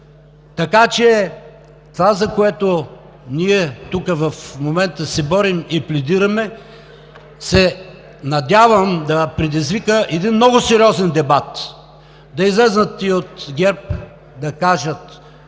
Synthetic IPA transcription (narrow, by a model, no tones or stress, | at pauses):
t̪ɐkat͡ʃɛ | t̪vazɐkoɛt̪o | niɛt̪ukəvɐfmomɛnt̪əsɛbɔɾimiplɛd̪iɾɐmɛ | sɛ | nɐd̪ʲjavəmd̪ɐpɾɛd̪izvikəʔɛd̪inmnɔɡʊsɛɾiɔzɛnd̪ɛbat̪ | d̪ɐizlɛznət̪iot̪ɡʲɛɾp | d̪ɐkaʒət̪